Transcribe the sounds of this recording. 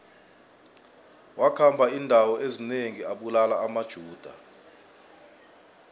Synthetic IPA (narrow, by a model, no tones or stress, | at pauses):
wakʰambʱaindʱawɔʔezineŋiaɓulalaːmad̥ʒ̥ʱuːd̥ʱa̰